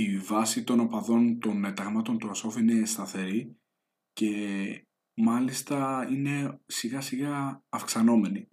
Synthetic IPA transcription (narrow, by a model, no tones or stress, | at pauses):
ivɐsit̪o̞no̞pɐðo̞nt̪o̞net̪ɐɣmɐt̪o̞nt̪uɐsofine̞st̪ɐθe̞ɾi | ce̞ | mɐlist̪ɐine̞siɣɐsiɣɐːfksɐno̞me̞ni